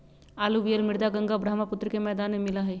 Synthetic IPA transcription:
aːluʋijəlmɪɾd̪aɡə̃ŋɡabɾaːɦmapʊt̪ːɾəkemɛːd̪aːnmẽmɪlaɦɛː

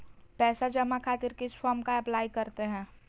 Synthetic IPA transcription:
pɛːsad͡ʒɐmakʰaːt̪ɪɾkɪsfaːmkaɛplaːikɐɾt̪eɦɛ̃ː

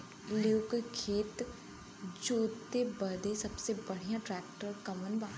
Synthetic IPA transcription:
leʊkkʰeːt̪ | d͡ʒoːt̪ebəd̪esəbsebəɽ̤ijãʈɾɛːk̚ʈəɾkəmənbãː

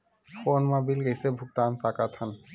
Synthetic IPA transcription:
fonmabilɡejsebʱuk̚t̪ansakat̪ʰan

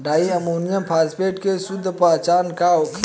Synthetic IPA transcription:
ɖaːiəmoːnijəmpʰaːspeːʈkesʊd̪ʱːpaːt͡ʃaːnkao

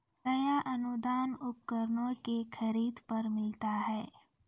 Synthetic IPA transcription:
nɐjaʔɐnʊd̪aːnʊp̚kəɾnõkexʰəɾiːd̪pɐɾmɪlt̪aɦɛː

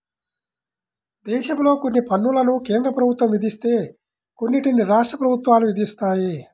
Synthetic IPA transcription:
d̪ɛːʃɐmlo̞ːkonːipɐnːulɐnukeːnd̪ɾɐpɾɐbʱut̪ʋɐmʋid̪ʱist̪e̞ː | ko̞nːiʈiniɾaːʂʈɾɐpɾɐbʱut̪ʋaːluʋid̪ʱist̪aːji

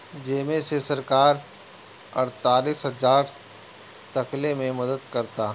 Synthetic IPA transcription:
d͡ʒeːmẽsesɐɾkaːɾ | ɐ̰ɾt̪aːliːsɦɐzaːɾ | t̪ɐklemẽmɐd̪əd̪kɐɾt̪aː

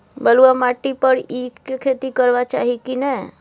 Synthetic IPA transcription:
bəluamaʈipəɾikʰet̪ikəɾʋat͡ʃa̰ːɦikinɛ

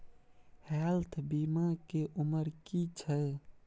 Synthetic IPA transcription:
hɛlt̪ʰbimakeʔuməɾkit͡ʃʰə

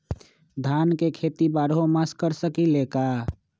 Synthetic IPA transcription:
d̪ʱankekʰet̪ibaɾɦomaskəɾsəkileka

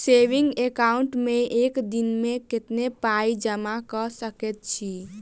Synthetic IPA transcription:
seʋiŋɡekauɳʈmeekd̪inmeket̪nepaid͡ʒəmakəsəkɛt̪̚t͡ʃʰi

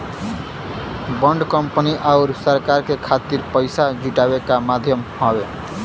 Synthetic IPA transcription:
bʌɳɖkʌmpəniʔaʊɾsʌɾkaɾkekʰat̪iɾpəjsad͡ʒuʈabekamad̪ʱjʌmhʌbe

